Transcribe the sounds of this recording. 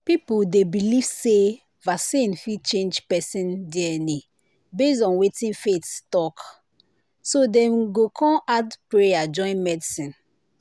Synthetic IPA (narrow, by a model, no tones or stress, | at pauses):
pipudebiliv̥se | vasĩnfit͡ʃẽnd͡ʒpɛsĩndiɛni | bes̬ɔ̃nwetĩnfetstɔk | sodɛ̃mɡokʰɔ̃ʔadpɹejad͡ʒɔ̃ɪ̃nmɛdisĩn